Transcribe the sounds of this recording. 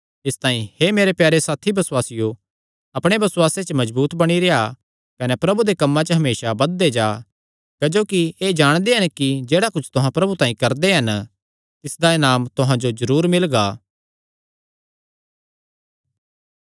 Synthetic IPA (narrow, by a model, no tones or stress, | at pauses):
ɪst̪aːĩhemeːɾepjaːɾesaːt̪ʰibɐswaːsɪjo | ɐpɽ̃ebɐsʊwaːset͡ʃəmɐd͡ʒbuːt̪bɐɽ̃iɾea | kɐnɛpɾɐbud̪ekɐmːãt͡ʃəɦɐmeːsabɐd̪ːed͡ʒaː | kɐd͡ʒoːkieːd͡ʒaːɽ̃d̪eɦɐnkid͡ʒeːɽakʊt͡ʃʰt̪ʊɦãpɾɐbut̪ãːĩkɐɾd̪eɦɐn | t̪ɪsd̪aɪnaːmt̪ʊɦãd͡ʒozɐɾuːɾmɪlɡaː